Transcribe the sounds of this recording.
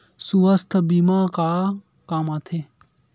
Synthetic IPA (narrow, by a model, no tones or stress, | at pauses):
suʋəst̪ʰbimaka | kaːmaːt̪ʰe